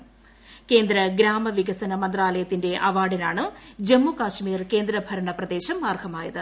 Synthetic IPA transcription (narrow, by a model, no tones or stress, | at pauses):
ke̞ːnd̪ɾɐɡɾaːmɐʋiɡɐsɐnɐmɐnd̪raːlɐjɐt̪ːinde̞ʔɐʋaːɽinaːɳɨd͡ʑemːukaːʂmiːrke̞ːnd̪ɾɐbʱɐɾɐɳɐprɐd̪e̞ːɕɐmːaːrɡʱɐmaːjɐðɨ